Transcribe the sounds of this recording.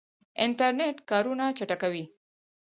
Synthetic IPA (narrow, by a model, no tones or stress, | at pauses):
ɪnʈaɾneʈkɑɾunat͡ʃaʈakawi